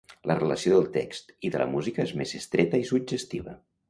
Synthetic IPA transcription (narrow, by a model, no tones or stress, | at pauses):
lərələsioðəlˠt̪ekst̪iðələ̰muzikəezmezəst̪ɾɛt̪əisud͡ʒəst̪iβ̞ə